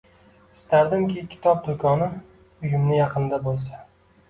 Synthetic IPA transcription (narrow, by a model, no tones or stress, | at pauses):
ɪst̪aɾd̪ɪmkʲɪkʲʰɪ̥t̪ʰɒp̚d̪ʊkʰɒnɪ | ʊjʊmnɪjɑqʰɨnd̪abolˠsa